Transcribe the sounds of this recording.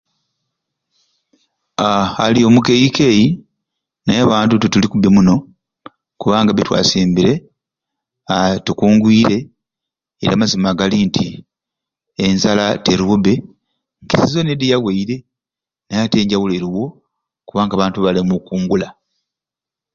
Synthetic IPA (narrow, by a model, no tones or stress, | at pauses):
aalio̞ːmukejikeji | najaβaːntututulikubemuno̞ | kuβaːŋɡaβetwa̰siːmbiɾe̞ | atukuːŋɡwiːɾe̞ | eɾamazimaɡalintʰi | enzalateɾuuβe̞ | ŋkizizo̞ne̞dijaweiɾe̞ | najate̞ːɲɟawuleɾiwo̞ | kuβaːŋɡaːβaːntuβalemukuːŋɡula